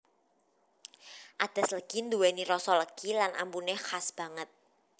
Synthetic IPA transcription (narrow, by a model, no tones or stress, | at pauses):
ʔad̪̥a̤sləɡ̥ind̪uwɛniɾɔsɔləkilanʔa̰mpunexasb̥ä̤ŋət̪̚